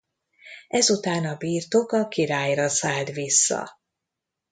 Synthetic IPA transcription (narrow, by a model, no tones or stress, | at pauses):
ɛzut̪aːnɒbiːrt̪okɒkiɾaːjrɒsaːlt̪ʋisːɒ̰